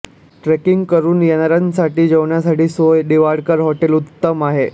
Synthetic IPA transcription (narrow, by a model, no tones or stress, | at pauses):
ʈɾekiŋɡkəɾuːnjenaɾansaʈiːd͡ʑəʋɳjasaʈiːsojɖiʋaɽkəɾɦoʈelut̪ːəmaɦe